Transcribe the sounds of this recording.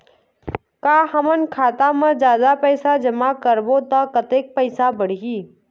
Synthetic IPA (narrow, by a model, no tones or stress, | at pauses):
kaːɦɐmənkʰaːt̪amə̃d͡ʒjaːd̪apɛɪsad͡ʒɐmakəɾbot̪akɐt̪eːk̚pɛɪsabəɽ̤iɡiː